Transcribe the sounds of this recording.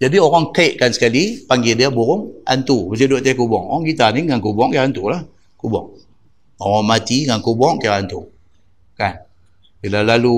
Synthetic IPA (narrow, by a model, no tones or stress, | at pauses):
d͡ʒadioɣaŋkaiʔkansə̥kalipaŋɡidiabuɣʊŋa̰nt̪ubəs̬iduʔt̪ɛkubɔ̰ŋoaŋkit̪aniŋankubɔŋkajaant̪ulah | kubɔ̰ŋ | oɣaŋmat̪iŋankubɔŋkajaʔant̪u | kan | bilalalu